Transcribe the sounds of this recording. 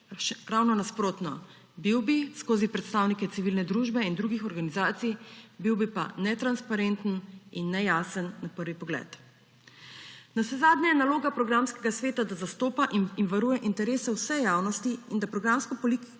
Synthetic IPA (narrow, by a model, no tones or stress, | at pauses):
ɾawnɔnaspɾoːt̪nɔ | biwbiskoːzipɾɛt̪st̪awnikɛt̪siʋiːlnɛd̪ɾuʒbɛind̪ɾuɡixɔɾɡanizaːt̪sijbiwbipa̰nɛt̪ɾanspaɾent̪əninːɛjaːsənːapəɾʋipɔɡlɛ̰t̪ | nasɛzaːd̪nɲajɛnaloːɡapɾɔɡɾamskɛɡasʋeːt̪ad̪azast̪oːpaʔiinʋaɾuːjɛʔint̪ɛɾeːsɛwsɛjaːwnɔst̪iind̪apɾɔɡɾamskɔpɔlik